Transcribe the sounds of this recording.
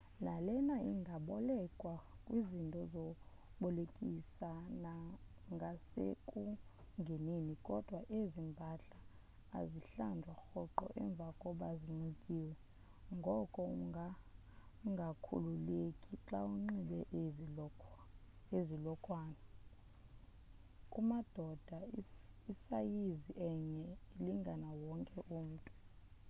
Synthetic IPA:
nalɛnaiŋɡʱaɓɔlɛkʼwakʼwizintʼɔzɔ | ɓɔlekʼisanaŋɡʱasḛkʼu | ŋɡʱeninikʼɔd̥ʱwaʔezimbʱaɬa̰ː | ziɬandʱwaxɔǃɔ̰ʔɛ̰ɱb̪vʱakʼɔɓaziŋ͡ǀikʼiːwɛ | ŋɡʱɔkʼɔ | ŋɡʱakʰṵlulekʼiǁauŋ͡ǁiɓɛʔ | ezilɔkʼwaːna | kʼumad̥ʱɔd̥ʱaisajiziʔɛɲɛiliŋɡʱanawɔŋkʼɛʔum̩ːtʼu̥

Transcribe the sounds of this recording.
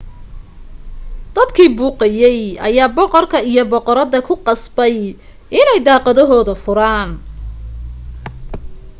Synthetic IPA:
d̪̥ɐd̪kʰiːbuːqɑjɛjʔɐ̰jaːbɔqɔrkʰɐijɔbɔqɔɾɐðɐkʰʊqɑsbɛj | ʔɪnɛjd̪ɑːqɑðɔɦɔːðɐfʊɾaːn

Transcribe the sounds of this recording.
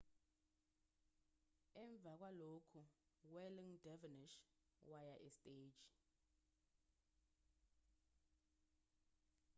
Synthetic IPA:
ɛɱb̪vʱak̬ʼwalokʰuwɛliŋdɛviniʃ | wajaʔɛstʼe̥ːd͡ʒi

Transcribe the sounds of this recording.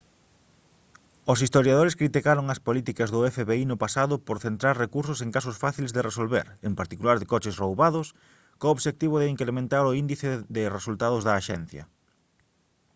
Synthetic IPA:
osist̪oɾjað̞oɾeskɾit̪ikaɾoŋɐspolit̪ikɐzðʊɛfeβeinʊpasaðʊpoɾθent̪ɾaɾrekuɾsoseŋkasʊsfaθilezðeresolβḛɾempaɾt̪ikulaɾðɪkɔt͡ʃɪsrowβaðʊs | koːβʃek̚t̪iβoðɪiŋkɾemẽnt̪aɾʊind̪iθeðɪresult̪aðʊzðɐːʃɛn̟θjɐ̰

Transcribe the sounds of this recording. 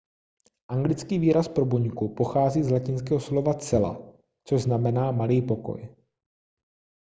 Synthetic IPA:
ʔaŋɡlɪt͡skiːviːɾaspɾo̞buɲkupo̞xaːziːzlacɪnskɛːɦoslo̞vat͡sɛla̰ | t͡soʒznamɛnaːmaliːpo̞ko̞̰j

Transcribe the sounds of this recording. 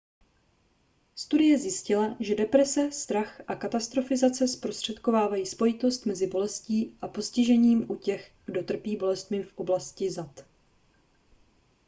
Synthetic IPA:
st̪udɪjɛzjɪscɪlaʒɛdɛpɾɛsɛst̪ɾaxʔakat̪ast̪ɾo̞fɪzat͡sɛspɾost̪r̝̥ɛt̪ko̞vaːvajiːspo̞jɪt̪o̞st̪mɛzɪbo̞lɛsciːʔapo̞scɪʒɛɲiːmʔucɛxɡ̥do̞t̪r̩piːbo̞lɛst̪mɪfʔo̞blascɪzat̪

